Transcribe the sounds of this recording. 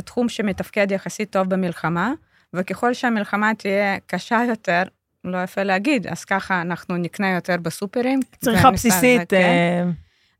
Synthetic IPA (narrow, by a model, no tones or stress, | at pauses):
t̪χumʃemet̪afked̪jaχasit̪ːo̞vbemilχama | vekeχo̞lʃeamilχamat̪ijekaʃajo̞t̪eʁ | lojafeleaɡid̪a̰z̥kaχaːnaχnuniknejo̞t̪eʁbesupeɾimt͡sʁiχasisit̪